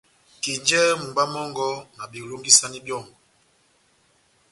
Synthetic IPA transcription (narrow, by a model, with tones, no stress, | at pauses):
ki˨d͡ʒɛ˦mu˨ɡ͡ba˦mɔ˦ŋɡɔ˦na˨bi˨ɾo˦mɡi˦sa˦ni˦bjɔ˦˨ŋɡɔ˨